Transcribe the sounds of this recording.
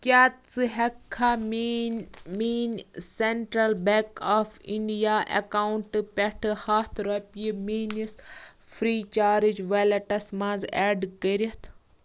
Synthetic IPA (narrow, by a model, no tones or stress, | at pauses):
kʲaːt͡sɨɦɐkʰːaːm | meːnseɳʈɾɐlbekafʰiɳɖijaːʔḛkaːwuɳʈpʲɛʈʰɨhaːt̪ʰɾɐpiimeːnis | fʰɾiːt͡ʃaːɾid͡ʒʋɐlɐʈɐsmãːzɛːɖkəɾiɐt̪ʰ